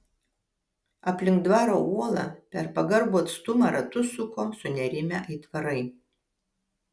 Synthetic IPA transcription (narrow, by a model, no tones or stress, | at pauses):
ɐpʲlʲɪŋk̚d̪ʋɑːɾouɔlˠɑpʲɛɾpɐɡɐɾbuːɐt̪st̪ʊmɐɾɐt̪ʊsʊkoːsʊnʲɛɾʲɪmʲɛʔɐɪt̪ʋɐɾɐɪ